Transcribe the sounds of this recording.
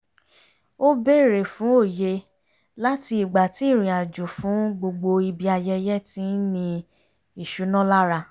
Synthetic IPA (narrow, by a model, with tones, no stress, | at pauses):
o˦be˦˨ɾe˨fũ˨˦o˦˨je˧ | la˦ti˧i˨ɡ͡ba˨ti˨˦˨ɾ̃ĩ˨a˨d͡ʒu˨fũ˨˦ɡ͡bo˧ɡ͡bo˧i˧bi˧a˧jɛ˧jɛ˦tĩ˨˦nĩ˧ | i˨ʃu˨˦nɔ̃˦la˦ɾa˧